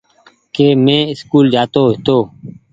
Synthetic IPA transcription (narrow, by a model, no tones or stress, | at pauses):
keːmẽːɪskuːld͡ʒaːt̪oːɦɪt̪oː